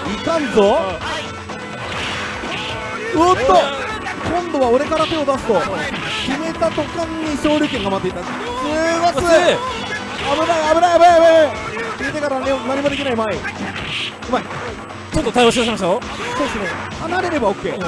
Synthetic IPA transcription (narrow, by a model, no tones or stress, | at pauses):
ikãnd͡zo | ɯt̪ːo | kõ̞nd̪o̞βaoɾe̞kaɾat̪e̞od̪asɨ̥t̪o̞kʲime̞t̪at̪o̞kãɲ̟ːiɕo̞ːɾʲɯːk̬ẽ̞ŋɡamat̪ːeit̪ːa | seɡasɨ | abɯ̟ɾaiabɯ̟ɾaiab̟aiabaibakʲimet̪̬ekaɾanaɲinaɲ̟imo̞d̪ekʲinaimai | ɯmae | t͡ɕot̪ːot̪aioɕ̬id̪aɕ̬imaɕ̬oo | soːd̪esɨnehanaɾe̞ɾe̞bao̞kːe̞ː